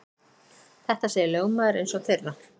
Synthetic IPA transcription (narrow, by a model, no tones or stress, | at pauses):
θɛht̪aseːjɪloːwmaðɛɾejnsɔɣθɪɾða